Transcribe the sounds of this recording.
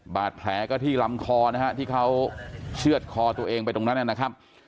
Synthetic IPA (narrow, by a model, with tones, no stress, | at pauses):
baː˨˩t̪̚pʰlɛː˩˦kɔː˥˩t̪ʰiː˥˩la˧mkʰɔː˧na˦˥ɦt̪ʰiː˥˩kʰa˦˥wt͡ɕʰɯ˥˩ət̪̚kʰɔː˧t̪u˧ɐʔeː˧ŋpa˧jt̪o˧ŋna˦˥nʔa˧˩na˦˥kʰa˦˥p̚